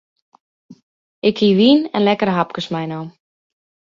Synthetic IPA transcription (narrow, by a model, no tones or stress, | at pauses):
ɪkhiʋiːnɛnlɛkəɾɦap̚kəsmɛjnɔ